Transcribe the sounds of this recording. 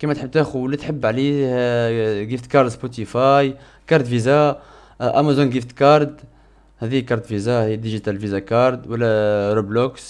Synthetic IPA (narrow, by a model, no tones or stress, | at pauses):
kimæt̪ħəb̚t̪æxuwəlːit̪ħəbːʕlih | ɡift̪kɑɾˤd̪spot̪ifɑj | kɑɾˤd̪fiza | ʔæmazunɡift̪kɑɾˤd̪ | hæd̪ijkɑɾˤd̪fizahəjːæd̪iʒit̪ælfizakɑɾˤd̪wəlːæɾubloks